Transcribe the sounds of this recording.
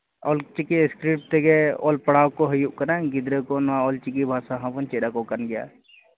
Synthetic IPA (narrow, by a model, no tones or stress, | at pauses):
oːlt͡ʃikiskɾip̚t̪eɡeo̰ːlpəɽaːwkoɦɐjuʔkɐnaɡɪd̪ɾekonaoːlt͡ʃik̬ibʱaːsaɦãpənt͡ʃeːɗakokənɡja̰ː